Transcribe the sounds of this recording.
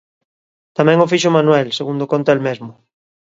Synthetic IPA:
t̪amɛ̃ŋofiʃʊmãnwɛlseɣund̪okont̪elmezmʊ

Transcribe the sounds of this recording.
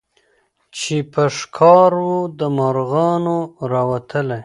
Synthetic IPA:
t͡ʃepəʂkʰɑɾwud̪əmaɾɣɑnoɾɑwat̪ʰəla

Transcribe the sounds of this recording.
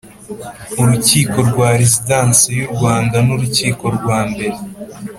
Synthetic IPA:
uɾuciːko̞ɾɡwaːɾezidaːnsejuɾɡwaːndanuɾuciːko̞ɾɡwaːmbe̞ɾe

